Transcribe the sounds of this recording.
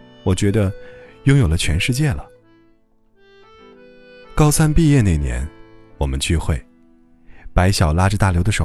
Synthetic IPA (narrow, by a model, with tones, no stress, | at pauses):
wɔ˨˩t͡ɕɥɛ˧˥d̪ə˧jʊ˥ŋjo˨˩lə˦t͡ɕʰɥɛ˧˥nʂɻ̩˥˧t͡ɕjɛ˥˩lə˩ | kɑ˥ʊsʰa˥npi˥˧jɛ˥˧ne˥˩ɪnjɛ̰˧˥nwɔ˨˩mə˦nt͡ɕy˥˧xwe˥˩ɪ | pa˧˥ɪɕjɑ˨˩ʊla˥ʈ͡ʂ̩˧t̪a˥˩ljo˧˥ʊd̪ə˧ʂo˨˩